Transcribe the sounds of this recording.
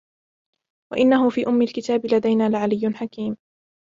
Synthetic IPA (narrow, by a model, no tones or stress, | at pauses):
wa̰ʔɪnːaɦʊfiːʔʊmːɪlkɪt̪aːbɪlad̪ajnaːlɪʕalɪjːʊnħakiːm